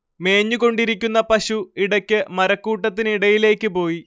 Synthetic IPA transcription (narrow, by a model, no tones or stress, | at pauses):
me̞ːɲːuko̞ɳɖiɾikʲːunːɐpɐɕuiɽɐkʲːɨmɐɾɐkːuːʈːɐt̪ːiniɽɐjile̞ːkʲːɨpo̞ːji